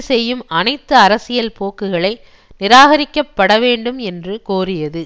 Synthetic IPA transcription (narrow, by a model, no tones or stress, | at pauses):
sɛjːɯmɐnɐɪt̪ːɯɐɾɐsɪjɐlpoːkːɯɣɐɭɐɪ | nɪɾaːɣɐɾɪkːɐpːɐɽɐʋeːɳɖɯmɛndrɯkoːrɪjɐðɯ